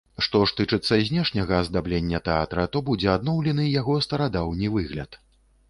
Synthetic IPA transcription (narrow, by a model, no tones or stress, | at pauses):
ʂt̪ɔʂt̪ɨt͡ʂɨt̪sːɐzʲnʲɛʂnʲɐɣɐzd̪ablʲenʲːɐt̪ɛat̪ɾɐt̪ɔbud͡zʲɛad̪nɔwlʲɛnɨjaɣɔst̪ɐɾad̪awnʲivɨɣlʲɐ̰t̪